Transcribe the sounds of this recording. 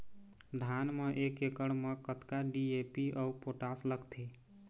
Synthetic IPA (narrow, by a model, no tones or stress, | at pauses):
d̪ʱanmeʔekekəɽmekət̪kaɖiepiʔəupoʈasləɡt̪ʰe